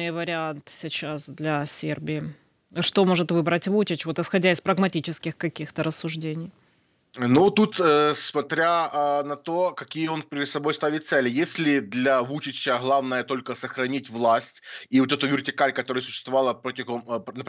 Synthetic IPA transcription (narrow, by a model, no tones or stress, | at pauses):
ɨjvəɾʲɪant̪sʲɪt͡ɕasd̪lʲɐsʲḛrbʲɪɪ | ʂt̪o̞mo̞ʐɨt̪vɨbɾətʲvut͡ɕɪt͡ɕvo̞t̪ɨsxɐdʲæɪspɾəɡmɐtʲit͡ɕɪskʲɪxkɐkʲixt̪əɾəsːʊʐdʲenʲɪj | nut̪ut̪əsmɐt̪ɾʲaənɐt̪o̞kɐkʲijəo̞npʲɪɾʲɪd̪sɐbo̞jst̪avʲɪt̪sɛlʲɪjesʲlʲɪd̪lʲɐvut͡ɕɪɕːəɣlˠavnəjət̪o̞lʲkəsəxɾɐnʲitʲvlˠasʲtʲiot̪ɛt̪ʊvʲɪrtʲɪkalʲkɐt̪oɾɨjəsʊɕːɪ̥st̪vɐvalˠəpotʲɪmnə